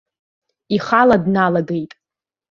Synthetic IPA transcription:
iχaladnalaɡejtʼ

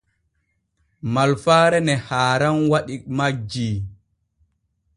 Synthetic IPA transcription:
malfaːɾɛnɛhaːɾanwaɗikmad͡ʒi

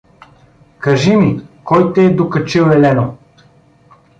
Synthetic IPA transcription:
kɐʒimikɔjt̪ɛːd̪okɐt͡ʃiwɛlɛno

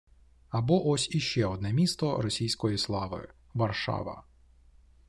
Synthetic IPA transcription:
ɐbɔʔɔsʲiʃt͡ʃɛɔd̪nɛmʲist̪ɔɾɔsʲijsʲkɔjislˠɑʋɪ̰ | ʋɐrʃɑ̰ʋɐ̰

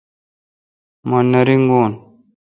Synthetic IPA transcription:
monːɐɾiŋɡoːn

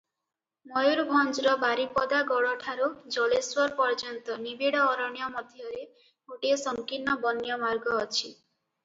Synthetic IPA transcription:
mɔjuɾbʱɔnd͡ʒɾɔbaɾipɔd̪aɡɔɽɔʈʰaɾud͡ʒɔleswɔɾpɔɾd͡ʒɔnt̪ɔnibiɽɔːɾɔɳjɔmɔd̪ʱjɔɾe | ɡoʈiesɔŋkinːɔbɔnjɔmaɾɡɔːt͡ʃʰi

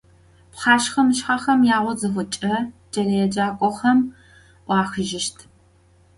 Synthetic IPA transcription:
pχɑːʃχɐmɨʃħaχɐmjaːʁʷɔzɨxʷʊt͡ʃʼɐd͡ʒɐlɐjɛd͡ʒaːkʷʼɔχɐm | ʔʷɑːxɨʒɪʃtʰ

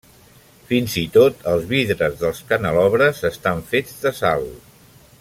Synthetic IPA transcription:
finzit̪ot̪əlˠzβiðɾəzðəlˠskənəlɔβɾəzəst̪aɱfed͡zðəsa̰lˠ

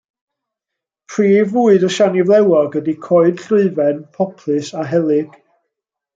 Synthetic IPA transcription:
pʰriːvuɨdɔʃanivlˠɛwɔɡədikʰɔɨd̥ɬʊɨvɛnpʰɔpʰlˠɨsaɦɛlˠɪɡ̥

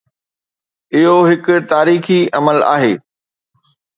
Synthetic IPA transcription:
ɪɦoɦɪkʊ̆t̪aːɾiːxiɐməla̰ːɦeː

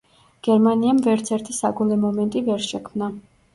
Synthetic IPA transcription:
ɡ̥ɛɾmaniamvɛɾt̪sʰɛɾt̪ʰisaɡulɛmɔmɛnt̪ʼivɛɾʃɛkʰmna

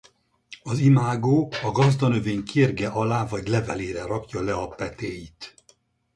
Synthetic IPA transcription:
ɒzimaːɡoːɒɡɒzd̪ɒnøveːɲkʰirɡɛʔɒlaːvɒɟlɛvɛleːɾɛrɒkjɒlɛɒpɛt̪eːjit̪

